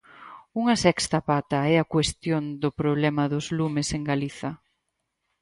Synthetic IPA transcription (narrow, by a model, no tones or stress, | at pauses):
uŋɐsɛkst̪ɐpat̪ɐɛɐkwest̪jond̪ʊpɾoβlɛmɐðʊzlumɪseŋɡaliθɐ